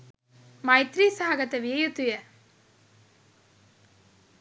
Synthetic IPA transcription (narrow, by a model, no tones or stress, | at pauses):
mɐjt̪ɾiːsaːɡɐt̪ːɐʋɪjɐjut̪ːʊjɐ